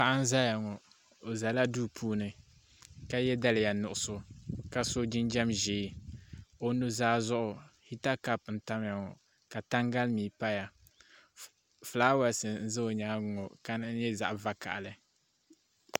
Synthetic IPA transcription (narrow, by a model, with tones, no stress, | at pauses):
pa˦ʔa˦n˦za˦ja˨ŋɔ˨ | o˨za˨la˦duː˦pʰuː˦nɨ˨ | ka˦jɛ˦da˦lɪ˨ja˨nʊ˨ʔʊ˦sʊ˦ka˨˦so˦d͡ʒɪ˦nd͡ʒa˦mʒeː˨˦ | o˦nu˦zaː˦zʊ˦ʔʊ˨hi˦ta˦ka˨p̚n̩˨ta˦m˦ja˨ŋɔ˨ | ka˨ta˦ŋɡa˦lmiː˨pa˦ja˨ | flaː˦wa˨sɨ˨n̩˦zɨ˦o˨ɲa˦ɡʊ˨ŋɔ˨ka˦n˦ɲɛ˦za̰˨ʔva˦ka̰˨ʔa˨lɨ˨